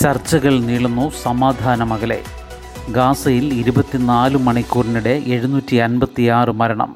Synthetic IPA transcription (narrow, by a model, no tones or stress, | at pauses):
t͡ɕɐrt͡ɕːɐɣɐɭniɭunːusɐmaːd̪ʱaːnɐmɐɣɐle̞̰ | ɡaːsɐjiliɾubɐt̪ːinaːlumɐɳikʲːuːrɐniɽe̞ʔe̞ɻunuːtːiɐnbɐt̪ːiaːrɨmɐɾɐɳɐ̰m